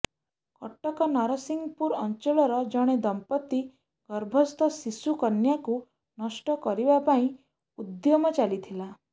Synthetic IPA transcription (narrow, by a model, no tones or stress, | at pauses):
kɔʈɔkɔnaɾɔsiŋɡpuɾɔnt͡ʃɔɭɔɾɔd͡ʒɔɽ̃ed̪ɔmpɔt̪ːi | ɡ̥ɔɾbʱɔst̪ʰɔsisukɔnjaku | nɔsʈɔkɔɾibapaĩ | ud̪jɔmɔt͡ʃalit̪ʰila